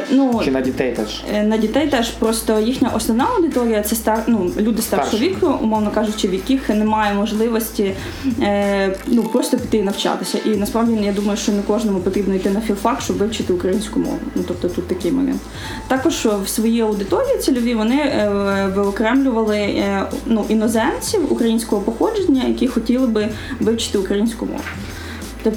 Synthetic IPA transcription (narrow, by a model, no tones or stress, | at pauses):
nuit̪ɛjt̪ɛ | nɐdʲit̪ɛjt̪ɛʃpɾɔst̪ɔjixnʲɐʔɔsnɔnɑɐwd̪ɪt̪ɔɾʲijɐt̪sɛst̪ɛrnulʲud̪ɪst̪ɛrɔʋʲikʊṵmɔʋnɔkɑʒʊt͡ʃːɪʋjɐkʲixnemɑjɛmɔʒlˠɪʋɔsʲtʲi | nupɾɔst̪ɔpʲit̪ɪjinɐwt͡ʃɑ̰t̪ɪsʲɐ̰ʔinɐspɾɑʋdʲijad̪umɐjʊʃt͡ʃɔnɛkɔʒnɔmʊpɔt̪ɾʲibnɔijt̪ɪnɐfʲilˠfɑkʃt͡ʃɔbʋɪwt͡ʃɪt̪ɪʊkɾɐjinʲsʲkʊmɔ̰ʋʊ̰nut̪ɔp̚t̪ɔt̪ut̪ːɐkɪjmɔ̰mʲɛ̰nt̪ | t̪ɑkɔʒ̥wsʋɔjiɐwd̪ɪt̪ɔɾʲijit̪sʲilʲɔʋʲiʋɔnɪ | ʋɪɔkɾɛmlʲʊʋɐlˠɪnuʔinɔzɛnt͡sʲiwṵkɾɐjinʲsʲkɔɦɔpɔxɔd͡ʒenʲːɐjɐkʲixɔtʲilˠɪbɪ | ʋɪwt͡ʃɪ̥t̪ɪʊkɾɐjinʲsʲkʊmɔ̰ʋʊ | t̪ɔ